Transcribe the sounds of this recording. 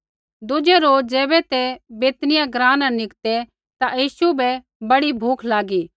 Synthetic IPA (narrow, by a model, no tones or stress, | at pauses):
d̪ʊd͡ʒɛɾoːd͡ʒɛːbɛt̪ɛbeːt̪nɪjãɡɾãːnãnɪkt̪ɛ | t̪ajiːʃubɛ | bɐɽibʱuːkʰlaːɡiː